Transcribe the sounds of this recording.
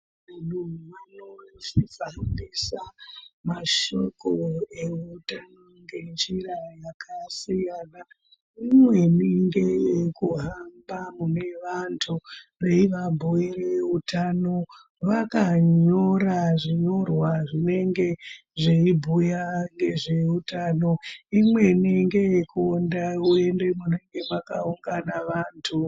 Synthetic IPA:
anumanotifandisamaʃo̞ko̞e̞utanoŋɡe̞nd͡ʒirajakʰasijana | imwe̞niŋɡe̞jekuɦambamune̞ʋantʰuʋeiʋabʱuereutano̞ | ʋakaɲo̞ɾaʐiɲo̞rwaʐine̞ŋɡe̞ | ʐiibʱujaŋɡe̞ʐe̞utano̞imwe̞niŋɡe̞jekuondaue̞nde̞mune̞ŋɡe̞ʋakauŋɡanaʋaːntʰu

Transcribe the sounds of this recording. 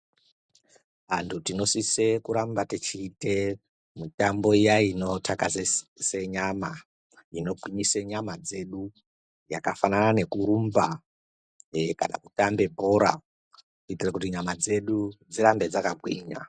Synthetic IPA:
ʋantʰutino̞sisekuɾambatit͡ʃiːte̞ | mutambo̞ijaino̞tʰakasse̞ɲama | ino̞ɡwiɲiseɲamad͡ze̞ɗu | ja̰kafananane̞kuɾumba | ka̰na̰kutambe̞bʱo̞ːɾa̰ | kuitirakutiɲamad͡ze̞ɗud͡ziɾambe̞d͡zakaɡwiːɲa̰

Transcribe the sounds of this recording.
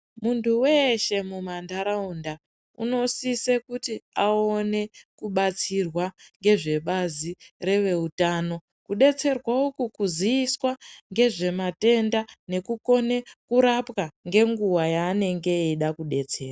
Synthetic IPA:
muntʰuwe̞ʃe̞mumandaɾaunda | ṵno̞sisekutiao̞ne̞kuɓat͡sirwaŋɡe̞ʐe̞ɓazire̞ʋe̞utaːno̞ | kuɗe̞t͡se̞rwaukukuziiswaŋɡe̞ʐe̞mate̞ndane̞kuko̞ne̞kuɾapkaŋɡe̞ŋɡuwajaːne̞ŋɡe̞iɗakuɗe̞t͡se̞ːra

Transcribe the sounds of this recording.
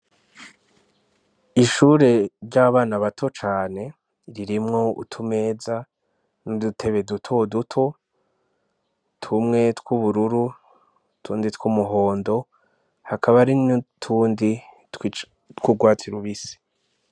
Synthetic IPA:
iʃuɾe̞ɾɟaβaːnaβatʰo̞t͡ʃaːne̞ | ɾiɾimŋo̞ṵtʰume̞ːd͡za | nudutʰe̞βe̞dutʰo̞dutʰo̞ | tʰumŋe̞tkuβuɾuɾu | tʰuːnditkumuɦo̞ːndo̞ | hakʰaβaɾintʰuːndi | t | tkuɡwaːtʰiɾuβisi̥

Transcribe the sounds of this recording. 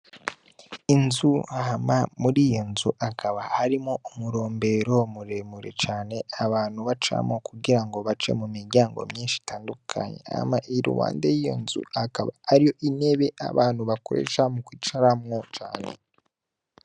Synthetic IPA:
inzuhamamuɾijo̞nzuʔakaβahaɾimŋoumuɾo̞ːmbe̞ɾo̞muɾe̞muɾe̞̰t͡ʃaːne̞aβaːn̥huβat͡ʃa̰mŋo̞kuɡiɾaŋɡo̞βat͡ʃe̞̰mumiɾɟaːŋɡo̞̰mɲiːnʃi̥taːndukʰa̰ɲḛa̰maʔiɾṵwa̰ːndejijo̞̰nzṵakaβaaɾijo̞ʔine̞βe̞ʔa̰βaːnhuβakoɾḛːʃamukwiːt͡ʃaɾamŋo̞t͡ʃa̰ːne̞̰

